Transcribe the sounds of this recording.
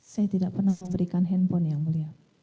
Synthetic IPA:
sajat̪idaʔpərnahməmbəɾikanɦɛnpɔnjaŋməliat̪̚

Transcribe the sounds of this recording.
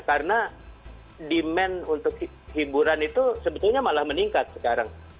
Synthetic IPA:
karəna | dimɛnunt̪ʊk̚hi | hibuɾanit̪usəbət̪ʊrɲamalahməniŋkat̪̚sə̥kaɾaŋ

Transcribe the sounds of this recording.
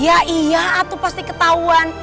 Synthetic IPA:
jaijaat̪upast̪ikət̪auan

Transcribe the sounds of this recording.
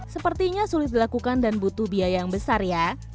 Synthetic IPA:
səpərt̪iɲasulɪt̪̚dilakukandanbut̪ubiajaŋbəsarja

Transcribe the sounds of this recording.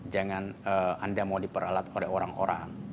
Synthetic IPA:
d͡ʒaŋanəandamaudipəɾalat̪olɛɦoɾaŋo̰ɾa̰ŋ

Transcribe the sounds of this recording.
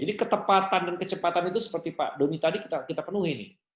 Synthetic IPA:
d͡ʒadikət̪əpat̪andankət͡ʃəpat̪anit̪̬usə̥pərt̪ipa̰ʔdonit̪adikit̪akit̪apənuɦinɪ̰h

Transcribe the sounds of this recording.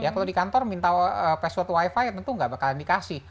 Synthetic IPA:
jakaladikant̪ɔrmint̪aəpɛsɔt̪waifajt̪ənt̪uŋɡabakalndikasɪ

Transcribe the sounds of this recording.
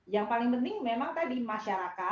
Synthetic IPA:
jaŋpalɪŋpənt̪ɪŋmemaŋt̪adimaʃaɾaka

